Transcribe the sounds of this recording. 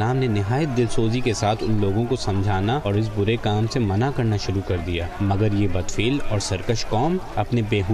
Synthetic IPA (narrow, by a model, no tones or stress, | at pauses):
aːmnenɪɦaːjət̪̚d̪ɪlsoːzikesaːt̪ʰʊnloːɡõkosɐ̃md͡ʒʱaːnaɔːɾɪs̬bʊɾekaːmsemɐnakɐɾnaʃʊɾukɐɾd̪ijaːmɐɡəɾjebɐt̪fʰiːlɔːɾsɐɾkəʃkɔːmɐpnebeːɦu